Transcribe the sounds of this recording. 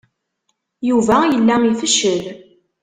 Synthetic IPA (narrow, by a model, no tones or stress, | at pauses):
juvæjəlːæmifəʃəl